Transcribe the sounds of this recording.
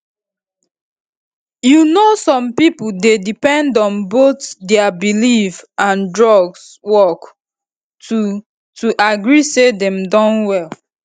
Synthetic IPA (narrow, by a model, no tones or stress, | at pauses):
junosɔ̃mpipul̩dedipɛ̃ndɔ̃nbotdɛabilifãndɹɔɡs | wɔk | tu | tuʔaɡɹisedɛ̃mdɔ̃nwɛl